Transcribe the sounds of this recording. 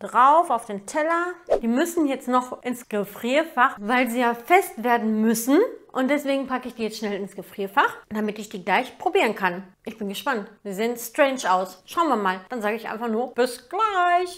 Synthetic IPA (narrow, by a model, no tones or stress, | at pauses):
d̥ʁaʊfaʊfd̥eːntʰɛlɐd̥iːmʏsn̩jɛt͡stnɔχʔɪnsɡ̥əfʁ̥iːfaχvaɪlziːjaːfɛstv̥eːɐdn̩mʏsn̩ʔʊnt̚d̥ɛsv̥eːɡŋ̩pakəɪçd̥iːjɛt͡stʃnɛlɪnsɡ̥əfʁ̥iːfaχd̥amɪtɪçd̥iːɡlaɪçpʁ̥obiːʁ̞ənkʰanʔɪçb̥ɪnɡəʃpantviːɐzeːənstʁ̥ɛɪnʃʔaʊsʃaʊnviːɐmaːld̥anzaːɡəɪçʔa̰ɪnfaχnuːɐb̥ɪsɡ̥laɪç